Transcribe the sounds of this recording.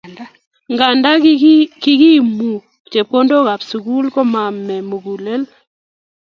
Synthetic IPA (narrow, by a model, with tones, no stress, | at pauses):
ŋɡa˨nda˦kɪ˦ɡi˦mu˨ | t͡ʃe˨po˦ndo˦ɣa˨psu˨ku˦lko˦ma˨mːɛ˨mo˨ɡu˨le˦l